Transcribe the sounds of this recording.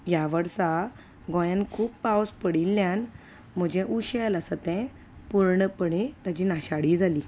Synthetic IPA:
jaʋəɾsa | ɡɔ̃jankʰuːpːpawspəɽilːjan | m̤əd͡ʑɛ̃ʔuɕeləsət̪ɛ̃ | puɾɳəpəɽẽt̪ad͡ʑinaɕaɽiːd͡zʱaliː

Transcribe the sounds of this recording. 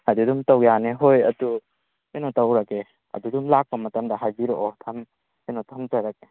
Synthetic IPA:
adudumtawjaneɦojɐdu | enotawɾake | ɐ̰dudumlak̚pɐmɐtɐmdɐɦajbiɾoʔɔtʰɐm | enɔtʰɐmtaɾake

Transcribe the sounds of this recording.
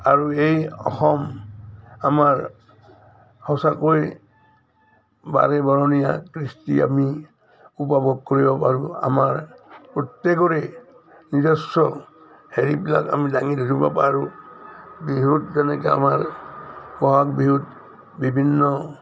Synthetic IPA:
aɹuejɔ̰xɔm | amaɹ | hɔsakoj | ba̰ɹɛbaɹɔnijakɹistḭa̰mi | upabɔɡ̚koɹibɔpaɹua̰maɹpɔt̪ekɔɹɛ | nizɔsɔl | heɹibila̰ka̰midaŋidʱituba̰paɹu | biɦutzɛnɛkɛa̰maɹ | bɔɦak̚biɦut | bibʱinːɔ

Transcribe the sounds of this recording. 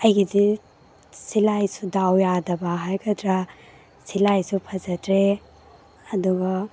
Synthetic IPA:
ɐjɡidi | silajsudawjadɐbaɦajɡʰɐdɾa | silajsupʰɐzɐtʰɾe | ɐduɡɐ

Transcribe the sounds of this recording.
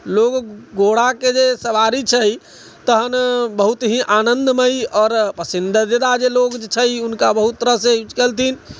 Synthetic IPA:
loɡɡoɽaked͡ʒesəbaɾit͡ʃʰəj | t̪əɦənbəɦut̪ɦĩʔanənd̪məjɔːɾpəsind̪d̪ed̪ad͡ʒeloɡd͡ʒet͡ʃʰəjunkabəɦut̪ːɾəset͡ʃkəlt̪ʰin

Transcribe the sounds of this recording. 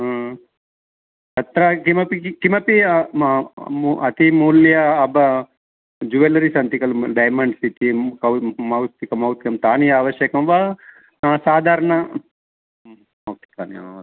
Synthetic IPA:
t̪ɐt̪ɾɐkimɐpikimɐpi | uɐt̪imuːljɐːbɐ | d͡ʒuʋelɐɾisɐnt̪ikɐlɖɐjmɐɳɖsit̪ikɐwmɐwt̪ikɐmɐwt̪jɐmt̪aːnijɐaːʋɐʃjɐkɐmʋa | saːd̪ʱaːɾɐɳɐ | mɐwt̪i̥ka̰ːnia̰

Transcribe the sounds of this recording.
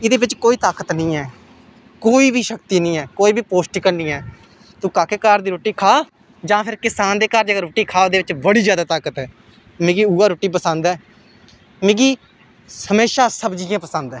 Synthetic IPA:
ɪd̪eːʋɪt͡ʃkoːiːt̪aːkət̪nĩːɛː | koːiːbʱiːʃəkt̪iːnĩːɛːkoːiːbʱiːpoːsʈiːkəɾnĩːɛː | t̪ũːkaːkeːkaɾd̪iːɾoːʈiːkʰaː | d͡ʒãːpʰɪɾkɪsaːnd̪eːkaɾd͡ʒəɡaɾoːʈːiːkʰaːd̪eːʋɪt͡ʃbəɽiːd͡ʒjaːd̪aːt̪aːkət̪ɛː | mẽːɡiːuːaːɾoːʈiːpəsənd̪ɛː | mẽːɡiː | həmeːʃaːsəbd͡ʒɪjãːpəsənd̪ɛː

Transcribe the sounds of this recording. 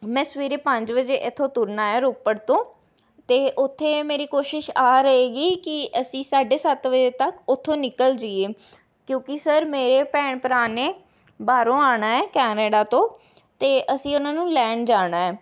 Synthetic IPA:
mɛ̃ːsəʋiːɾeːpəɲd͡ʒʋəd͡ʒeːʔɪt̪ʰːõːt̪ʊɾnaːɛːɾʊpːəɽt̪õː | t̪eːʔʊt̪ʰːeːmeːɾiːkoːʃɪʃaːɾəeːɡiːkɪəsĩːsaːɖeːsət̪ʋəd͡ʒeːt̪əkʊt̪ʰːõːnɪkəld͡ʒiːeː | kjõːkɪsəɾmeːɾeːpɛːɳpɾaːneː | baːɾõːaːɽaːɛːkɛːneːɖaːt̪õː | t̪eːʔəsĩːʊnãːnũːlɛ̃ːɳɖd͡ʒaːɽaːɛː

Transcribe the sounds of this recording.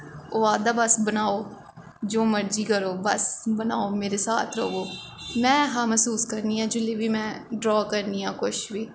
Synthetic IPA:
oːaːd̪aːbəsbənaːoː | d͡ʒoːməɾd͡ʒiːkəɾoːbəsbənaːoːmeːɾeːsaːt̪ʰɾə̰oː | mɛ̃ːɦãːməsuːskəɾniːɦãːd͡ʒɪleːʋiːmɛ̃ːɖɾɔːkəɾniːɦãːkʊʃʋiː

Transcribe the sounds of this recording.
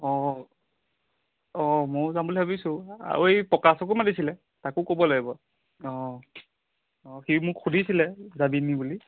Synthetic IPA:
ɔ | ɔmozambulibʱabisʊ̃a̰ɹuejpɔkasɔkumadisilɛ | takʊkobɔlaɡibɔ | ɔ | ɔximʊkxudʱisilɛzabinibuli

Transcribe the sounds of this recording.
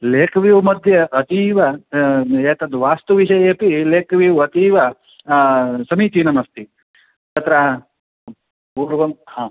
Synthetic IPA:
leːkʰɐʋiːʋumɐd̪ʱjɐʔɐt̪iːʋɐ | eːt̪ɐnd̪uʋaːst̪uʋiʃɐjɐeːpileːkʰɐʋiʋɐt̪iːʋɐ | sɐmiːt̪iːnɐmɐst̪i | t̪ɐt̪ɾa | puːɾʋɐmhãː

